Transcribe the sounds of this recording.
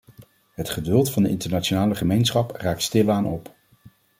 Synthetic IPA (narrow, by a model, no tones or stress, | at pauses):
ɦətχədɵlˠtfɑndəɪntəɹnat͡ʃonaːləχəmejnsχɑpraːk̚tstɪlaːnʔɔp